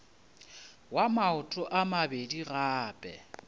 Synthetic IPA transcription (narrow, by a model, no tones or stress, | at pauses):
wamaʊtʼʊʔamabediɣaːpʼɛ̰